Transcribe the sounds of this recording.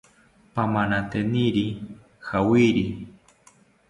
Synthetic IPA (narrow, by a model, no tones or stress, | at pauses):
pamanat̪eniɾi | xawiɾi